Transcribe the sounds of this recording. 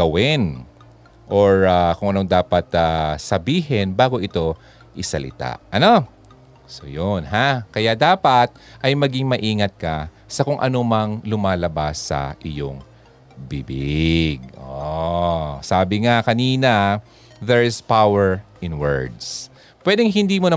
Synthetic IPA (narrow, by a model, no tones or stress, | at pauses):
ɡɐwɪn | ʔoɹakʊŋʔɐno̞ŋd̪aːpɐt̪asɐbiːɦɛnbaːɡo̞ʔɪt̪o̞ | ʔɪsɐlɪ̰t̪a̰ʔʔɐno̞ | so̞̰jonɦakɐjad̪aːpɐt̪̚ʔɐjmɐɡɪŋmɐʔiːŋɐt̪̚kɐ | sɐkʊŋʔɐ̰nomɐŋlʊmaːlɐbasːɐ̰ʔɪjo̰ŋ | bibɪɡ̚ʔo | saːbɪŋakɐniːnɐ | ðɛɹɪspawɛɹʔɪnwɛɹd̪s | pwɛd̪ɛŋɦɪnd̪iːmonɐ